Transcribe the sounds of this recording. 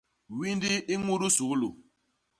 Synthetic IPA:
wi˦ndi˦i˦ŋu˦ɾu˦su˨˦lu˨

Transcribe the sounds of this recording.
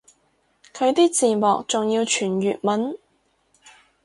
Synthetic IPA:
kʰɵ˨˧ɥt̪iː˥t͡siː˨mɔː˨k̚t͡sʊ˨ŋjiː˧wt͡ʃʰyː˨˩njyː˨t̚mɐ˨˥n

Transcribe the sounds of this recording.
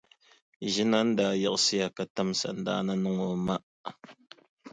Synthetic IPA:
ʒi˦na˦n˦da˨jə˦ʔsi˦ja˨ka˦ta˦msa̰˨n˨da̰˦na˦nə˦ŋo˨ma˦

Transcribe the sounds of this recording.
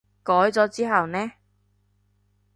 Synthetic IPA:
kɔː˨˥jt͡sɔː˨˥t͡siː˥ɦɐ˨wnɛː˥

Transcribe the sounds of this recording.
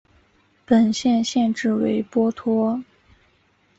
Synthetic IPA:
pə˨˩nɕjɛ˥˧nɕjɛ˥˧nʈ͡ʂɻ̩˥˩we˧˥ɪpwɔ˥t̪ʰwɔ˥

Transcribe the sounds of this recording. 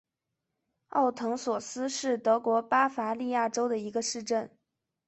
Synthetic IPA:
ɑ˥˩ʊt̪ʰɤ˧˥ŋswɔ˨˩sɹ̩˥ʂɻ̩˥˩t̪ɤ˧˥kwɔ˧˥pa˥fa˧˥li˥˧ja˥˩ʈ͡ʂo˥ʊd̪ə˨i˧˥ɡə˧ʂɻ̩˥˧ʈ͡ʂə˥˩n

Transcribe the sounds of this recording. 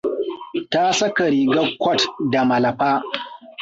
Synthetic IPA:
ta˦sɐ˦ka˨ɾiː˨ɡɐ˦kʷːɔ˦˨tda˨mɐ˨lɐ˨ɸaː˦

